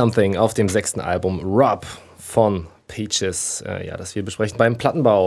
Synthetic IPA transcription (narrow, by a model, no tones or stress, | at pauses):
amθɪŋaʊfd̥eːmzɛkstn̩ʔa̰lbʊmɹɔp | fɔnpʰɛt͡ʃɪsʔɛ̰ːja̰ːd̥asv̥iːɐbəʃpʁ̥ɛçn̩baɪmpʰl̥atn̩baʊ